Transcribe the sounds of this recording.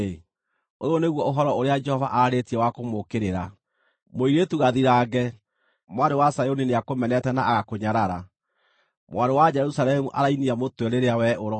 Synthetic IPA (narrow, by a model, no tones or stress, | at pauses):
ojoneɣwɔoɦɔɾɔoɾead͡ʒɛhɔvaʔaɾetiɛwakomokeɾeɾa | moiɾetuɣaðiɾaːɡɛ | mwaɾewasajonineakomɛnɛtɛnaːɣakoɲaɾaɾa | mw̰aɾdowad͡ʒɛɾusalɛmuʔaɾainiamotweɾeɾeawɛʔoɾɔ